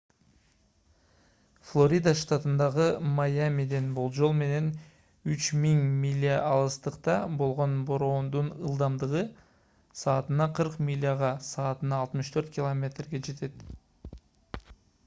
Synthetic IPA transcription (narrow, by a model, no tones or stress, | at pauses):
flˠo̞ɾʲijd̪aʃt̪at̪ənd̪ɑʁəmajamʲid̪e̞nbʊlˠʒo̞lˠme̞ne̞n | ʏt͡ʃmiŋmʲilʲːijaʔɑlˠəst̪əqt̪ɑbo̞lˠʁonboɾoond̪ənəlˠd̪ɑmd̪əʁə | sɑːt̪ənɑqʰəɾqmʲilʲːijaʁɑsɑːt̪ənɑːlˠt̪əməʃt̪ʰøɾt̪kʲilˠomʲe̞t̪rɡʲe̞ʒe̞t̪e̞d̪̥